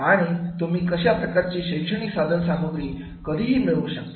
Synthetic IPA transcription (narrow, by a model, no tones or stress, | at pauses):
aɽ̃it̪um̤iːkəɕjapɾəkaɾt͡ɕiːɕəjkʂəɽ̃iksad̪ʱənsaməɡɾiː | kəd̪ʱiːɦiːmiɭuɕək̚t̪